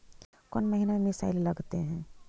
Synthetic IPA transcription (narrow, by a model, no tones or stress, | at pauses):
kɔːnməɦinamemɪsa̰ːɪlːɐɡt̪eɦɛ̃ː